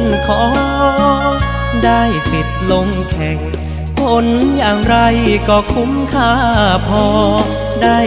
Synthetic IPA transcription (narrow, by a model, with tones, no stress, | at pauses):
nkʰɔː˨˩˦ | daː˥˩jsi˨˩t̪̚lo˧ŋkʰɛ˨˩ŋ | kʰo˧˥njaː˨˩ŋɾa˧jkɔː˧˩kʰu˧˦˥mkʰaː˥˩pʰɔː˧ | daː˥˩